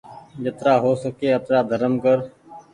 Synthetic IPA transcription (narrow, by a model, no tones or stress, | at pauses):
jət̪ɾaːɦoːsəkeːət̪ɾaːd̪ʱəɾəmkəɾ